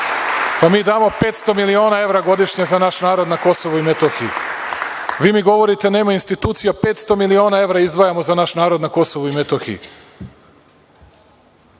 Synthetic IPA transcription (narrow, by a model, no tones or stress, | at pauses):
pamiːd̪aːmo̞pe̞ːt̪st̪o̞milio̞ːnae̞ʋɾaɡo̞d̪iʃɲezanaʃnaːɾo̞d̪nako̞so̞ʋuimet̪oxijṵ | ʋiːmiɡo̞ʋo̞ɾit̪e̞neːmainst̪it̪uːt̪sijape̞ːt̪st̪o̞milio̞ːnae̞ʋɾaizd̪ʋajamo̞zanaʃnaːɾo̞d̪nako̞so̞ʋuimet̪oxḭj̰